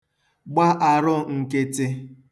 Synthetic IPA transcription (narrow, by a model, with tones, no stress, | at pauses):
ɡ͡ba˦ʔa˨ɾʊ˦ŋ̩˨ke˦tɪ˦